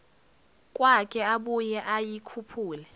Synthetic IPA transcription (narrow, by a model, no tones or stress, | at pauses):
kʼwakʼɛaɓujɛʔajikʰupʰuːlɛ